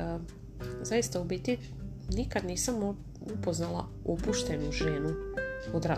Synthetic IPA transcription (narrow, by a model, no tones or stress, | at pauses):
zaist̪aubit̪i | nikad̪niːsam | upo̞znalˠa̰ | opuʃt̪e̞nuʒeːnuod̪ɾa